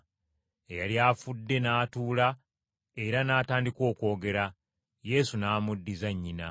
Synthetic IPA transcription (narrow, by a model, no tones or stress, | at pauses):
ejaljaːfudːe̞naːtuːla | e̞ɾanaːtaːndikwo̞ːko̞ːɡe̞ɾa | je̞ːsunaːmudːizaɲːina̰